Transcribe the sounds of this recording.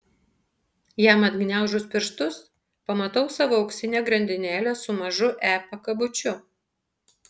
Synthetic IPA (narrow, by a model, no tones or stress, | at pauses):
jæːmɐd̪ɡnʲæˑʊʒʊspʲɪɾʃt̪ʊs | pɐmɐt̪ɐʊsɑːʋoːɐʊksʲɪnʲeːɡɾɐnʲd̪ʲɪnʲæːlʲesʊmɐʒʊʔæːpɐkɐbʊt͡ʃʲʊ